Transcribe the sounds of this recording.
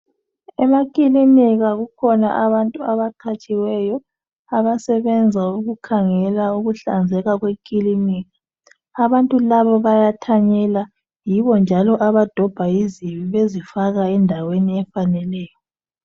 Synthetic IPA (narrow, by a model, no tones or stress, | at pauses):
ɛmakʼilimiɣaɣukʰɔnaʔaβantʼuaβaǃʰat͡ʃʼiwɛjɔ | aβasɛβɛnd͡zʱauɣukʰaŋɛlauɣuɬa̰nd͡zʱɛɣaɣwekʼilimiːɣaː | βantʼulaβɔβajatʰaɲɛla | jiβɔnd͡ʒʱalɔʔaβad̥ʱɔb̥ʱaiziβiβezifaɣaɛndʱaweniɛfanɛlɛːjɔ